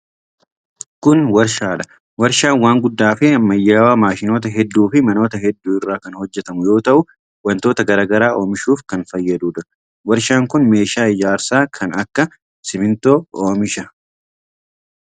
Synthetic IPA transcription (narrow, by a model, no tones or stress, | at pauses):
kʊnwɐɾʃaːᶑɐ̥ | wɐɾʃaːnwaːŋɡʊd̪ːaːfɪmɐjːaːwaːmaːʃɪno̞ːt̪̬ɐɦɛd̪ːuːfɪmɐno̞ːt̪ɐɦɛd̪ːuːɪrːaːkɐnhɔd͡ʒːɛt̪ɐmʊjo̞ːt̪ɐʔʊ | wɐnt̪o̞ːt̪ɐɡɐɾaːɡɐɾaːʔo̞ːmɪʃuːfkɐnfɐjːɐd̪uːᶑʊɾɐ | wɐɾʃaːŋkʊnme̞ːʃaːɪd͡ʒaːɾsaːkʰɐnɐkːɐ | sɪmɪnt̪o̞ːoːmɪʃɐ